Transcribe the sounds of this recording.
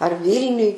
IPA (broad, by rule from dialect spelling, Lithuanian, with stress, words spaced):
ɐr ˈʋʲiːlʲnʲʊj